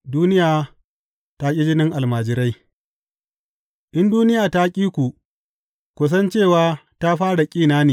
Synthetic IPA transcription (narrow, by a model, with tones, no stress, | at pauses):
duː˦nɪ˦jaː˨ | ta˦kʲʼɪ˦d͡ʒɪ˦nɪ˦ŋʔa˨lmaː˨d͡ʒɪ˦ɾa˦j | ʔɪ˦nduː˦nɪ˦jaː˨ta˦kʲʼiː˦kʷu˨ | kʷʊ˨s̬ɐ˦nt͡ʃeː˦˨waː˦ta˦ɸaː˦ɽa˨kʲʼiː˦˨naː˦neː˨